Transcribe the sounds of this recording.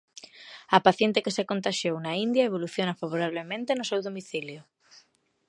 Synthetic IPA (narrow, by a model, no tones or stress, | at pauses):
ɐpaθjent̪ekɪsekont̪aʃjownaind̪jaeβ̞oluθjonafaβ̞oɾaβ̞lemẽnt̪enʊsewðomiθiljʊ